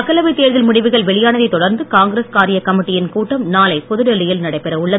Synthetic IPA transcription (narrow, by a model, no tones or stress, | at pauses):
ɐkːɐlɐʋɐɪt̪ːeːɾðɪlmʊɽɪʋɯɣɐɭʋɛɭɪjaːnɐðɐɪt̪ɔɽɐɾnd̪ɯkaːŋɡɾeskaːɾɪjɐkɐmɪʈːɪjɪnkuːʈːɐmnaːlɐɪpɔðɯɽɛlːɪjɪlnɐɽɐɪpːɛɾɐʊɭːɐ